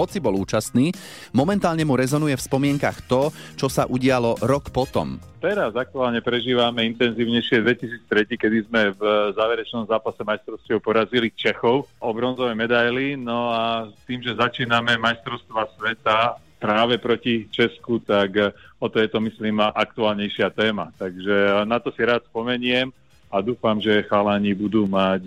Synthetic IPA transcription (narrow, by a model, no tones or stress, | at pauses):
ɦɔt͡sibɔluːt͡ʃast̪niː | mɔmɛnt̪aːlɲɛmuɾɛzɔnujɛfspɔmɪɛŋkaxt̪ɔt͡ʃɔsaʔuɟɪalɔɾɔkpɔt̪ɔ̰mt̪ɛɾazak̚t̪uaːlɲɛpɾɛʒiːʋamɛint̪ɛnziːʊɲɛjʃɪɛd̪ʋɛcisiːt͡st̪ɾɛciːkɛd̪izmɛvzaːʋɛɾɛt͡ʃnɔmzaːpasɛmajst̪ɾɔscɔʊpɔɾazilit͡ʃɛxɔʊɔbɾɔnzɔʋɛjmɛd̪ajlinɔat̪iːmʒɛzat͡ʃiːnamɛmajst̪ɾɔʊst̪ʋasʋɛt̪a | pɾaːʋɛpɾɔcit͡ʃɛskut̪akɔt̪ɔjɛt̪ɔmisliːmʔak̚t̪uaːlɲɛjʃɪat̪ɛːma̰t̪aɡʒɛnat̪ɔsiɾaːt̪spɔmɛɲɪɛm | ad̪uːfamʒɛxalaɲibud̪uːmac